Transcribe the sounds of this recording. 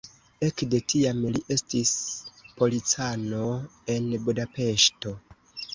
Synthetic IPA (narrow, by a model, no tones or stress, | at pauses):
e̞kde̞tʰiameliʔe̞stispo̞lit͡sano̞e̞nbudape̞ʃto̞